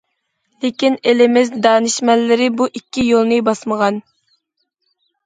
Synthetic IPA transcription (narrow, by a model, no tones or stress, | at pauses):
lekʲinelɪmɪzd̪ɑːnɨʃmɛlːɪɾɪbuʔikʲːijolˠnɨbɑsməʁɑn